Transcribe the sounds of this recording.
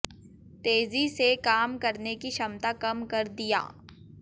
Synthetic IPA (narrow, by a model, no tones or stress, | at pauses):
t̪eːzisekaːmkɐɾnekiʃɐmt̪akɐmkɐɾd̪ija̰ː